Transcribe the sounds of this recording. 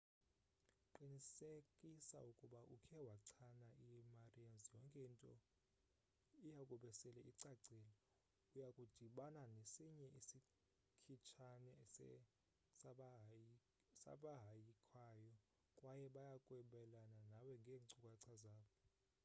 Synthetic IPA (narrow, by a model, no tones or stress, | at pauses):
ǃinisekʼisa̰ukʼuɓaʔukʰɛwaǀʰanaʔimarianzjɔŋkʼɛintʼɔ̰ | ijakʼuɓɛsɛlaʔiǀaǀʱɛlɔ | ujakʼud̥ʱiɓananesiɲɛʔisi | kʰit͡ʃʰanɛ | sa̰ɓaɦajikʰwajɔ | kʼwajɛɓajakʼwɛɓɛlananawɛŋɡʱeːǀukʼwaǀʰazaːɓɔ